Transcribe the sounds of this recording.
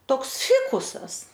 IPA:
ˈtoːks ˈfʲɪkʊsɐs

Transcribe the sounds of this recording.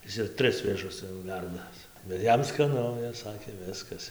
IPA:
ˈɪs ɪr ˈtʲrʲɪs ʋʲeːˈʒʊs ˈt͡sʲɛ jɛʊ ˈʋʲɛrdɐs bʲɛt ˈjɛm skɐˈnʊ ɪs ˈsɑːkʲeː ˈʋʲɪskɐs

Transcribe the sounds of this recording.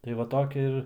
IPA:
tɐɪ ˈʋɐ ˈtoːkʲɛ ɪr

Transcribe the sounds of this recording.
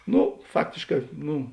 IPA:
ˈnʊ ˈfɑːktʲeːʃˌkɑː ˈnʊ

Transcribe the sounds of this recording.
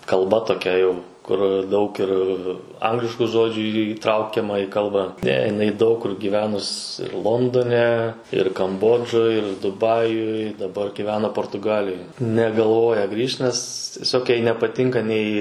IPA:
kɐlˠˈbɐ toːˈkʲɛ jɛʊ kʊr ˈdɐʊk ɪr ˈɐŋɡlʲɪʃkʊ ˈʒoːd͡ʒʲʊ iːˈtrɐʊkʲɛmɐ iː ˈkɐlˠbɑː ˈnʲɛ jɪˈnɐɪ dɐʊk kʊr ɡʲiːˈʋʲæːnʊs ɪr ˈlˠoːndoːnʲɛ ɪr kɐmˈboːd͡ʒoːj ɪr dʊˈbɑːjʊj dɐˈbɐr ɡʲiːˈʋʲæːnɐ poːrtʊˈɡɑːlʲɪjoːj nʲɛɡɐlˠˈʋoːjɛ ˈɡrʲiːʃt nʲɛs tʲiɛˈsʲoːk ˈjɛɪ nʲɛpɐˈtʲɪŋkɐ nʲɛɪ

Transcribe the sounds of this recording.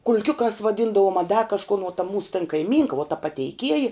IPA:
kʊlʲˈkʲʊkɑːs ʋɐˈdʲiːndɐʋoːm ɐ dɐ kɐʃˈkʊn uɔ tɐ ˈmuːsʊ tɐn kɐɪˈmʲiːŋkɐ ʋuɔ tɐ pɐtʲɛɪˈkʲiɛjɪ

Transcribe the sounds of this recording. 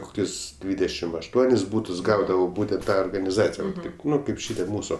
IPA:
ˈkoːkʲʊs ˈdʲʋʲiːdʲɛʃʲɪm ɐʃˈtuɔnʲɪs ˈbuːtʊs ˈɡɐʊdɐʋoː ˈbuːtʲɛnt ˈtɐ oːrɡɐnʲɪˈzɑːt͡sʲɪjɛ ˈʋɐt ˈtɐɪp ˈnʊ ˈkɐɪp ˈʃʲɪtʲiɛ ˈmuːsʊ

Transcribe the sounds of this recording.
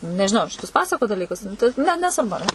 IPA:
nʲɛʒʲɪˈnɐʊ ɐr ʃʲɪˈtʊs ˈpɑːsɐkoːt dɐˈlʲiːkʊs tɐɪ nʲɛ nʲɛsʋɐrˈbʊ ɐr ˈnʲɛ

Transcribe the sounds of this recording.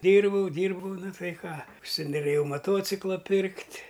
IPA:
ˈdʲiːrbɐʊ ˈdʲiːrbɐʊ ˈnɐ ˈtɐɪ ˈkɑː ʊʃʲsʲɪnoːˈrʲeːjɛʊ mɐˈtoːt͡sʲɪklˠɑː ˈpʲɪrktʲ

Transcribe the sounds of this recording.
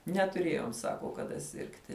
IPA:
nʲɛtʊˈrʲeːjoːm ˈsɑːkoː kɐˈdɐ ˈsʲɪrktʲɪ

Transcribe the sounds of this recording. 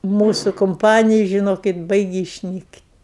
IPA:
ˈmuːsʊ kʊmˈpɑːnʲɪjɛ ʒʲɪˈnoːkʲɪt ˈbɐɪɡʲɪ ɪʃʲˈnʲiːktʲ

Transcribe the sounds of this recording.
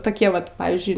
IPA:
toːˈkʲiɛ ˈʋɐt ˈpɑːʋʲiːzʲd͡ʒʲʊɪ

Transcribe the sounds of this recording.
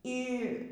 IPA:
iː

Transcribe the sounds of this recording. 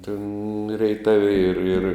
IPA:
tʲeːn rʲɛɪˈtɑːʋʲɪ ɪr ɪr

